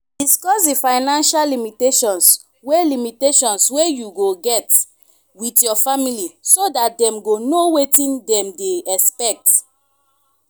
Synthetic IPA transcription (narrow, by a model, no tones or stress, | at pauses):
diskɔsdifaɪnãnʃalimiteʃɔ̃ns | welimiteʃɔ̃nswejuɡoɡɛt | witjɔfamilisodat̚dɛ̃mɡonowetĩndɛ̃mdeɛspɛk̚t